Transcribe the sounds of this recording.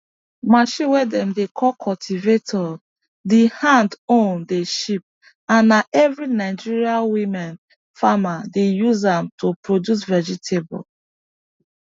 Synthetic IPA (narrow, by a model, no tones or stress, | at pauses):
maʃiwɛdɛ̃mdekʰɔlkʰɔltʰivetʰɔ | dihãndõndeʃip̚ | ãnːaʔɛvɹinaɪd͡ʒiɹialwimɛ̃n | famadejuzãmtʰopɹodjus̬vɛd͡ʒitʰebɔ̰l